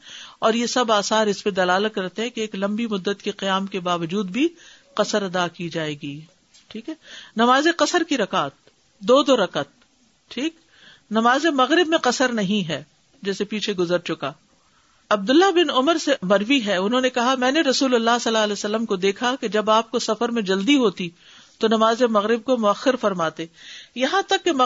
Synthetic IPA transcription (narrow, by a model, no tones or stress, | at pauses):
ɔːɾjesɐbaːsaːɾɪsped̪ɐlaːlət̪̚kɐɾt̪eɦɛ̃keːklɐ̃mbimʊd̪ːət̪keqijaːmkebaːʋəd͡ʒuːd̪̚bʱi | qɐsəɾɐd̪akid͡ʒaːeːɡiː | ʈʰiːkɦɛːnɐmaːzeqɐsəɾkiɾɐkaːt̪̚ | d̪oːd̪oɾɐqət̪̚ | ʈʰiːk | nɐmaːzemɐɣɾɪbmẽqɐsəɾnɐɦĩɦɛː | d͡ʒɛːsepiːt͡ʃʰeɡʊzəɾt͡ʃʊkaː | ɐb̚d̪ʊlːabɪnʊməɾsemɐɾwiɦɛʊnɦõːnekɐɦamɛ̃ːneɾɐsuːlɐlːaːsɐlaɐlɛːsɐlːəmkod̪eːkʰaked͡ʒɐbaːp̚kosɐfəɾmẽd͡ʒɐld̪iɦoːt̪i | t̪onɐmaːzemɐɣɾɪb̚komʊɐxːɪɾfɐɾmaːt̪eːjɐɦãt̪ɐkːemɐ